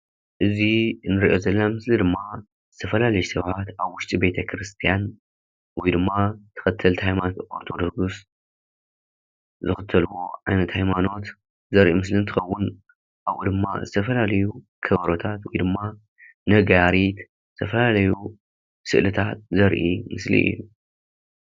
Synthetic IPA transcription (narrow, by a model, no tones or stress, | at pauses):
ʔɨzinɨɾiʔo̞zɐlːamɨslid̪ɨmːa | zɨt̪ʰɐfɐlalɐjsɐβħat̪aβwʊʃt̪ʼibe̞t̪ʰɐkʰɾɨst̪ʰijan | wɔjd̪ɨmːat̪ʰɨ̥xɨt̪ʰːɐlt̪hajmanot̪oɾt̪ʰo̞d̪o̞ɡus | zɨxɨt̪ʰːɐlwo̞ʕajnɐt̪hajmano̞t̪ | zɐɾʔimɨslint̪ʰɨxɐwːʊn | ʔaβʔud̪ɨmːa̰zɨt̪ʰɐfɐlalɐju | kʰɐβɐɾot̪ʰat̪wɔjd̪ɨmːa | nɐɡaɾit̪ | zzɨt̪ʰɐfɐlalɐju | sɨʔlɨt̪ʰat̪̚zɐɾʔimɨslḭʔɨ̰jːu